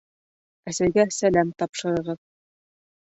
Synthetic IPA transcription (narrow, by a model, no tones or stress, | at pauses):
æsæjɡæsælæmt̪ɑpʃɤ̆ɾɤ̆ʁɤð